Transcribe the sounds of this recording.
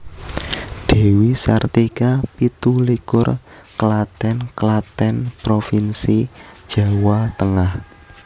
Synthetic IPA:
d̪̥e̤wisart̪ikapit̪ulikʊr | kəlat̪ɛnkəlat̪ɛnpɾofinsid̥ʒ̥a̤wat̪əŋah

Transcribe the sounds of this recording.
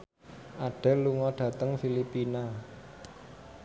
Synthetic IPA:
ʔaɖ̥ɛ̤luŋɔɖ̥ä̤t̪əŋfilipina

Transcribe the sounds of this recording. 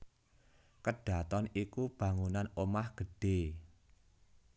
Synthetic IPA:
kəɖ̥a̤t̪ɔnikub̥ä̤ŋunanomahɡ̥ə̤ɖ̥e̤

